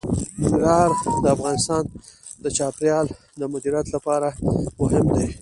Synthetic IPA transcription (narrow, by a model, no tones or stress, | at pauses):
ɪɡɾɑɾd̪əafɣɑnɪst̪ɑn | d̪ət͡ʃɑpɾjɑl | d̪əmʊd̪iɾjat̪lapɑɾamʊɦɪmd̪e